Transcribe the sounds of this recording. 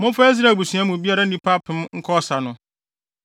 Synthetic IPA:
mʊ̃˦fa˦i˦s̬ɾa˨bu˨sũ˨˦a˦mʊ̃˨bi˦a˦ɾa˨n̩˦nĩ˦pʰa˦pʰɪ̃˦mŋ̩˦kʰɔ˦sa˨nʊ̃˨

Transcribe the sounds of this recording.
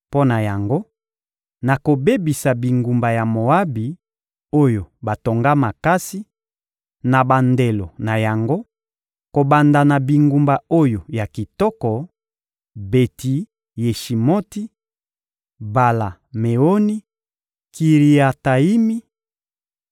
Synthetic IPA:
po˦na˨ja˨ŋɡo˦ | na˨ko˨be˦bi˨sa˨bi˨ŋɡu˨mba˨ja˨mo˨a˦bi˨ | o˦jo˨ba˨to˨ŋɡa˦ma˨ka˦si˦ | na˨ba˨nde˨lo˨na˨ja˨ŋɡo˦ | ko˨ba˨nda˨na˨bi˨ŋɡu˨mba˨o˦jo˨ja˨ki˨tɔ˦kɔ˨ | be˨ti˨ | je˨ʃi˨mo˦ti˦ | ba˨la˨ | me˨o˦ni˦ | ki˨ʁi˨a˨ta˨i˦mi˦

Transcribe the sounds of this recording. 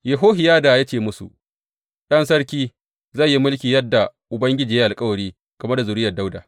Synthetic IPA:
jɐ˨ɦoː˦ɦɪ˨jaː˦da˨ja˦t͡ʃeː˨mʊ˦sṵ˨ʔ | ɗɐ˦ns̬ɐ˦ɽkʲiː˦ | za˦˨ji˦mʊ˦lkʲiː˨jɐ˦dːa˨ʔʊ˨bɐ˦ŋɡʲɪ˦d͡ʒiː˨ja˦ʔa˨lkʼɐ˦wɐ˨ɽiː˦ | ɡ̥ɐ˨mɐ˦da˨zʊ˨ɾɪ˦jɐ˨da˦wda˨

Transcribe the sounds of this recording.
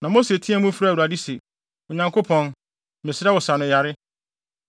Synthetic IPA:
nã˨mo˦se˨tʰĩ˦ɛ˦mũ˦fɾa˦˨u˨ɾa˨dɪ˦se˨ | ɔ˨ɲã˨ŋkʰo˦pʰɔ̃˨n | mɪ̃˨sɪ˦ɾa˦wɔ˨sa˨nʊ̃˨ja˨ɾɪ˦

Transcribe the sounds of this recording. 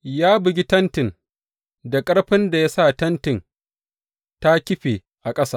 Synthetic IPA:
jaː˦bɪ˨ɡʲi˦tɐ˦ntɪ˨n | da˨kʼɐ˦ɽɸɪ˦nda˨ja˦sa˦˨tɐ˦ntɪ˨n | ta˦kʲɪ˦ɸe˨ | ʔa˨kʼɐ˦saː˦

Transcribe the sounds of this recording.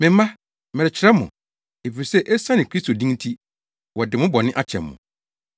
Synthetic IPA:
mɪ̃˨m˦mã˦ | mɛ˨ɾɪ˨t͡ɕʰɪ˨ɾɛ˦mʊ̰̃˨ | e˨fi˨ɾi˨sɛ˦ʔɛ˦sã˦nɪ̃˨kʰɾi˦sto˨dĩ˦ŋ˦tʰi˦ | wɔ˨dɪ˨mʊ̃˦bɔ˨nɪ̃˦ʔa˦t͡ɕʰɛ̰̃˨mːʊ̰̃˨

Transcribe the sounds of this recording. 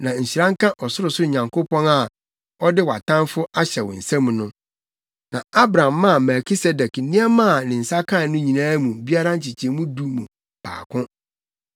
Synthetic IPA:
nã˨ɲ̩˨ɕi˨ɾã˦ŋ̩˦kʰã˦ʔɔ˨sʊ˦ɾʊ˨sʊ˦ɲã˨ŋkʊ˦pɔ̃˦na˨ | ɔ˦dɪ˦wa̰˨tʰã˦nfʊ˦ʔa˦ɕɛ˨wɔ̰˨n̩˨sɛ̃˦mũ˨nʊ̃˦ | nã˨a˦bɾã˨mːã˦˨mɛ˨kʰi˦se˦dɛ˨k̩˦nĩ˦ɛ˦mã˦˨nɪ̃˨n̩˨sa˦kʰã˦˨nʊ̃˦ɲĩ˨nãː˦mũ˨bi˦a˦ɾa˦ɲ̩˨t͡ɕʰi˨t͡ɕʰɛ̃˨˦mũ˦du˦mũ˨ | pʰa̰ː˨kʰʊ̃˦

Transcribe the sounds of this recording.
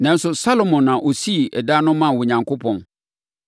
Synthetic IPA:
nã˨˦n˦sʊ˨sa˦lo˨mɔ̃˨nːã˨ʔo˨si˦˨ɛ˨da˦nʊ̃˦mã˦˨wʊ˨ɲã˨ŋkʰʊ˦pʰɔ̃˨n

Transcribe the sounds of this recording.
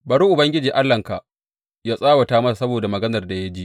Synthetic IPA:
bɐ˨ɽu˦ʔʊ˨bɐ˦ŋɡʲɪ˦d͡ʒiː˨ʔa˦lːɐ˨ŋka˨ | jaː˦sʼaː˦wɐ˨taː˦mɐ˦sa˨sɐ˦boː˨da˨mɐ˨ɡɐ˦nɐ˨rda˨ja˦d͡ʒi˦ʔ

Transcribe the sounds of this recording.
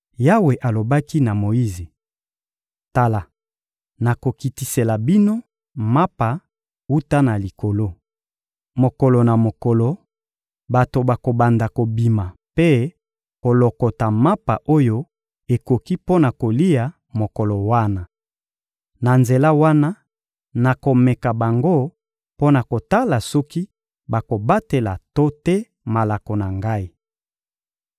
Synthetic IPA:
ja˦we˨ʔa˨lo˨ba˦ki˦na˨mo˨ji˦ze˨ | ta˨la˨ | na˨ko˨ki˨ti˨se˨la˨bi˦no˦ | ma˦pa˨ | u˦ta˦na˨li˨ko˨lo˦ | mo˨kɔ˨lɔ˨na˨mo˨kɔ˨lo˨ | ba˨to˨ba˨ko˨ba˨nda˨ko˨bi˨ma˨pe˦ | ko˨lɔ˨kɔ˨ta˨ma˦pa̰˨ʔo˦jo˦ | e˨ko˨ki˦po˦na˨ko˨li˦ja˨ | mo˨kɔ˨lɔ˨wa˦na˨ | na˨nze˨la˦wa˦na˦ | na˨ko˨mɛ˨ka˨ba˨ŋɡo˦ | po˦na˨ko˨ta˦la˨sɔ˦ki˦ | ba˨ko˨ba˦te˨la̰˨to˦tɛ˦ | ma˨la˨ko˨na˨ŋɡa˦i˦

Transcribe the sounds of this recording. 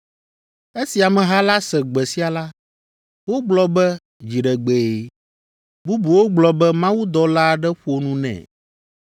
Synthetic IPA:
e˦si˨a˨mɛ̃˨ɦa˦la˦sɛ˨ɡ͡bɛ˨si˦a˨la˦ | wo˦ɡ͡blɔ˦bɛ˦ | d͡ʑi˨ɖɛ˨ɡ͡be˨e˨ | bu˦bu˨wo˦ɡ͡blɔ˨bɛ˦mã˦wu˦d̪ɔ˨la˦˨ɖɛ˦ɸu˦o˨nũ˦nɛ̰̃˨

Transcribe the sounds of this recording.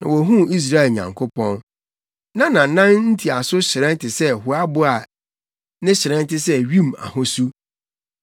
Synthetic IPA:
nã̰˨wo˨ɦũ˦i˦s̬ɾa˦ɛ˨ɲã̰˨ŋkʰʊ˦pɔ̃˦n | nã˦nã˨˦nã˦nn̩˦tʰi˨a˨sʊ˦ɕɪ˨ɾɛ̃˦n˦tʰɪ˨sɛ˦ɦʊ˨a˦bʊ˦a˨ | nɪ̃˦ɕɪ˨ɾɛ̃˦n˦tɪ˦sɛ˦ɥĩ˦ma̰˨hɔ̃˦su˦

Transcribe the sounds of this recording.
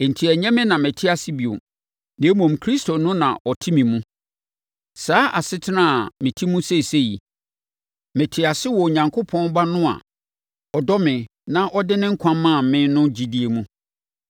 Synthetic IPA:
e˨n̩˨tʰi˨æ˨ɲɛ̃˦mɪ̃˦nã˨mɪ̃˨tʰɪ˦a˨sɪ˦bi˨o̰˨ | nẽ˨˦mɔ̃˨mkʰɾi˦stʰo˨nʊ̃˦nã̰˨ʔɔ˨tʰɪ˦mĩ˨mũ˦ | saː˨˦ʔa˨sɪ˦tʰɪ˦nã˦a˨mɪ̃˨tʰi˦mũ˦se˦˨se˦jḭ˨ | mɛ̃˨tʰɪ˨˦a˨sɪ˦wɔ˨ɲã˨ŋkʰʊ˦pʰɔ̃˦n˦ba˦nʊ̃˦a̰˨ | ɔ˨dɔ˦mɪ̃˨ | nã˦ʔɔ˦dɪ˦nɪ̃˦ŋ̩˦kʷʰã˦mːã˦˨mɪ̃˦nʊ̃˦d͡ʑi˨di˨e˨mũ˦

